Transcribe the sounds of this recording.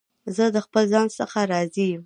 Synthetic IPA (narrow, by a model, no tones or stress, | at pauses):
zəd̪əxpəlzɑnsəxaɾɑzijm